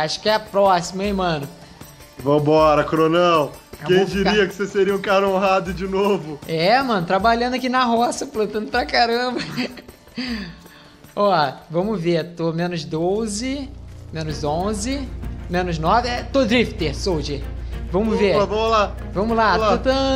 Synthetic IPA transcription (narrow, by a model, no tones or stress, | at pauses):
aʃʊ̥kɪɛɐpɾɔsimɐimɐ̃nʊ | vɐ̃w̃bɔɾɐkɾonɛwɛkẽj̃d͡ʒiɾiɐkɪ̥seseɾiɐũkaɾɐõɦad̪ʊd͡ʒɪnovʊɛmɐ̃nʊt̪ɾabaʎɐ̃d̪ʊakinɐɦɔsɐplɐ̃t̪ɐ̃nd̪ʊpɾɐkaɾɐ̃mbɐ | ɔvɐ̃mʊveɾt̪omẽnʊzd̪ozɪmẽnʊzõzɪmẽnʊznɔvɪɛt̪od̪ɾift̪ehsowd͡ʒevɐ̃mʊveɐvɐ̃mʊlavɐ̃mʊlaaot̪ɐ